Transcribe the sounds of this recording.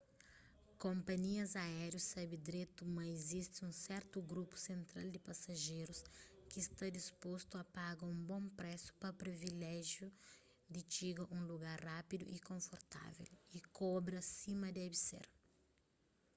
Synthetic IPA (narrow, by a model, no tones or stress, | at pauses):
kõmpɐɲiɐzaɛɾjusabid̪ɾet̪umɐezist̪ɪũsɛɾt̪uɡɾupu̥sẽnt̪ɾald̪ɪpasɐʒejɾuskiːst̪ad̪ispost̪uɐpaɡɐũmbõmpɾɛsu̥pɐpɾivilɛʒju | d̪ɪt͡ʃiɡɐʔũluɡaɾrapid̪ṵʔikõɱfoɾt̪a̰vḛlikɔbɾɐsimɐd̪abisḛɾ